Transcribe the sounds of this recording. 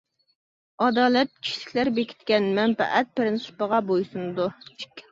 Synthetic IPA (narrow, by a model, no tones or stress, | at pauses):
ɑd̪ɑːlɛt̪̚kʲʰi̥ʃlɪ̥kʲlæɾbekʲʰi̥t̪kʲɛnmɛnpɛ̰ʔɛt̪̚pɾɪnsɨ̥pəʁɑbojsunɨd̪u